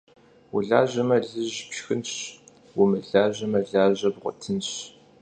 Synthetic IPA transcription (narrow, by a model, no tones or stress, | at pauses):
wʊ̰ɮaːʑɐmɐɮɨʑpɕxɨnɕ | wʊmɨɮaːʑɐmɐɮaːʑɐbʁʷɔ̰tʰɨnɕ